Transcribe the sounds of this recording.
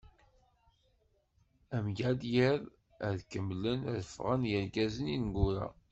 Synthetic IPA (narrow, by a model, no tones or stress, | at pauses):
æmʝæd̪jəð | əðkəmlənðəfʁənjəɾɡæzəninɡʊɾa̰